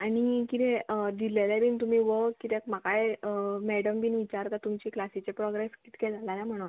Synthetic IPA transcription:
añikit̪ʰed̪ilelabint̪um̤iʋəkit̪ekmakajmɛɽəmbiːnʋit͡ɕaɾt̪at̪umt͡ɕiklasit͡ɕepɾɔɡɾeski̥t̪ʰkeld͡zalanam̤əɽ̃on

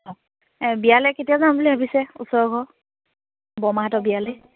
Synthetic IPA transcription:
ɔ | bijalɛketijazanbuliɦabisɛṵsɔɹɡʱɔ | bɔmaɦatɔbialɛ

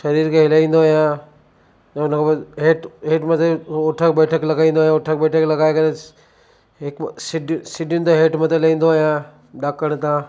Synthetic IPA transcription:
ʃɐɾiːɾkʰeɦɪlaĩːnd̪oɦijã | ʊnəkʰoɦeːʈɦeːʈmət̪ʰeoʈʰək̚bɛːʈʰəklɐɡaĩːn̆d̪oːɦjãʊʈʰək̚bɛːʈʰəklɐɡaːekɐɾe | ɦɪksɪɖsɪɖʊnɪt̪oɦeːʈmət̪ʰelɐĩːnd̪ojã | ɗaːkəɽ̃t̪ãː

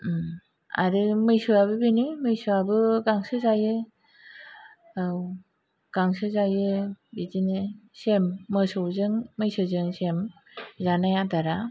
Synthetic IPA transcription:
a̰ɾɯmɯjsɯaβɯbinimɯjsuabɯɡaŋsɯzajɯ | w | ɡ̥aŋsɯzajɯbidinesemːɯsɯwzɯŋmɯjsɯzɯŋsem | zanajataɾa

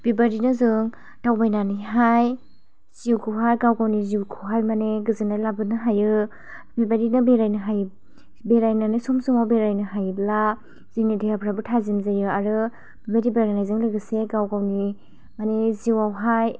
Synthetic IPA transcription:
b̥ibaɾinɯzɯŋ | tawbajnanijɦaj | siwkʰuɦajɡawɡawniziwkʰuɦajmaneɡɯzɯnajlabɯnɯɦajɯ | bibaɾinɯbeɾajnɯɦaj | beɾajnanɯsɔmsumawbeɾajnɯɦajbla | z̥iŋnidajapʰɾabɯtʰazimzajɯaɾɯ | b̥ibaɾibajɾanajzɯŋlɯjɡɯseɡawɡawni | maneziwawɦaj

